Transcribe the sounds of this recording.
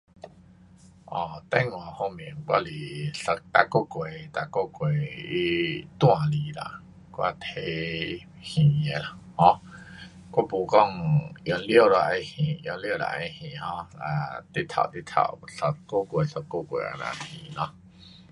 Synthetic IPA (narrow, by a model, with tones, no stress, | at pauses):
ʔɔː˨˩t̪ɛ˦ŋwã˨hõ˧mĩ˨ŋkwa̰˦˧li˨ɬə˧k̚t̪a˧ko˦˨kʷe˨t̪a˧˨ʔko˦kwe˨i˧t̪w̃ã˨li˨la̰˧˨ʔ | kwa̰˧˨t̪ʰe˧˦ | hĩ˨a˨hɔ̃˦ | kʷa˧˨pu˧˨kɔ˦˧˨ŋʔjɔ˧ljə˧˨la˧˨ʔe˧hĩ˨ʔjɔ˧li˦˧ə˧˨la̰˧˨ʔẽ˧˦hĩ˨hɔ̃˧˦a̰˨t̪i˦t̪ʰa̰˧˨ʔt̪i˦t̪ʰa̰˧˨ʔɬə˧kːo˦˨kʷe˨ɬə˧kːo˦˨kwḛ˨a̰˧˨nã̰˧˨hĩ˨nɔ̃˧